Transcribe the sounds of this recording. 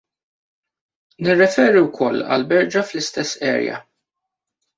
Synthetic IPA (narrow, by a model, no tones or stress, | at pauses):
nɪrːɛfɛːɾiwkʰɔlːɐ̰lbɛɾd͡ʒɐflɪst̪ɛsːɛ̰ːɾjɐ̰